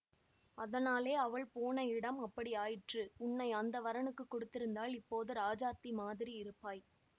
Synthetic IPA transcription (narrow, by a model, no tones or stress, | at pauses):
ɐðɐnaːleːɐʋɐɭpoːnɐɪɽɐmɐpːɐɽiaːjɪʈrɯʊɳːɐɪɐnd̪ɐʋɐɾɐnɯkːɯkːɔɽɯt̪ːɪɾɯnd̪aːlɪpːoːðɯɾaːd͡ʒaːt̪ːimaːðɪɾiɪɾɯpːaːj